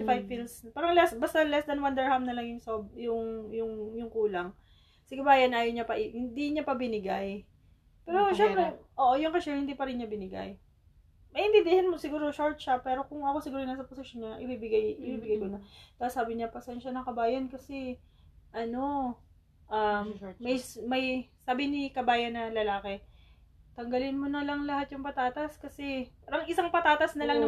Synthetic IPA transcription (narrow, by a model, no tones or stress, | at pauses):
ɪfajbfilspaːɾɐŋlɛsbɐst̪ɐlɛsd̪ɐnwɐnd̪ɛɹhamnɐlɐŋjʊŋsɐob̚jʊŋjʊŋjʊŋkuːlɐŋ | sɪɡɐbaːjɐnʔaːjoɲɐpɐʔɪhɪnd̪iɲapɐbɪnɪɡaj | pɛːɾo̞ʃɛmpɾɛʔoːʔojʊŋkɐʃɛhɪnd̪iːpɐɾɪnɲɐbɪnɪɡa̰j | mɐʔɪmbɪbɪhɪnmosɪɡuːɾo̞ʃoɹt̪̚ʃɐpɛːɾo̞kʊŋʔɐko̞sɪɡuːɾojnasɐposɪʃjonɲɐʔɪbibɪɡajʔɪbibɪɡajmonɐt̪ɐsaːbɪɲɐpɐsɛnʃɐnɐŋkɐbaːjɐnkɐsɛ | ʔɐno̞ | ʔɐmːɐjmɐjsaːbɪnɪkɐbaːjɐnːɐlɐlaːkɛ | t̪ɐŋɡɐlɪnmonɐlɐŋlɐhat̪jʊŋpɐt̪aːt̪ɐskɐsɛpaːɾɐŋʔɪsaŋpɐt̪aːt̪ɐsnɐlɐŋnɐ